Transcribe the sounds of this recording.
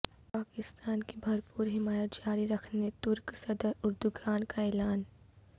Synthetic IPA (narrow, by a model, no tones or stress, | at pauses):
paːkɪst̪aːnkibʱɐɾpuːɾɦɪmaːjət̪̚d͡ʒaːɾiɾɐkʰnet̪ʊɾksɐd̪əɾʊɾd̪uɡaːnkaɛːlaːn